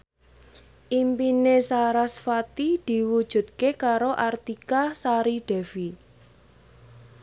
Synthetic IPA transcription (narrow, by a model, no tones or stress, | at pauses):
ʔimpinesaɾasfat̪id̪̥i̤wud̥ʒ̥ṳt̪̚kekaɾoʔart̪ikasaɾiɖ̥ɛ̤vi